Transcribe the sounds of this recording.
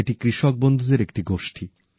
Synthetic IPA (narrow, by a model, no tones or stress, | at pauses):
eʈikɾiʃok̚bond̪ʱud̪eɾek̚ʈiɡoʃʈʰi